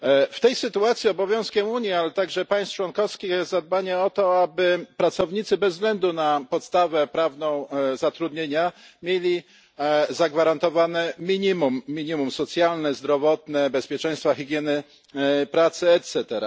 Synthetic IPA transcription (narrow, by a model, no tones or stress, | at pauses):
ft̪ɛjsɘt̪uat̪sʲiɔbɔvʲjɔ̃w̃skʲɛmuɲjialɛt̪aɡʐɛpaj̃st͡ʂwɔnkɔfskʲixɛzad̪̚baɲɛɔt̪ɔabɘpɾat̪sɔvɲit̪sɘbɛzzːɡlɛnd̪unapɔt̪st̪avɛpɾavnɔ̃w̃zat̪ɾud̪ɲeɲamʲjelʲi | zaɡvaɾant̪ɔvanɛmʲiɲimumːʲiɲimumsɔt̪sʲjalnɛzd̪ɾɔvɔt̪nɛbɛspʲjɛt͡ʂɛ̃j̃st̪faxʲiɡʲjɛnɘ | pɾat̪sɘɛt̪sɛt̪ɛɾa̰